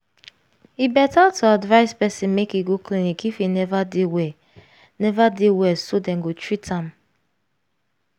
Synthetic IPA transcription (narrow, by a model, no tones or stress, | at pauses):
ibɛtatʰuadvaɪspɛsĩnmekiɡoklĩnikifinɛvadewɛ | nɛvadewɛsodɛ̃ŋɡotɹitʰãm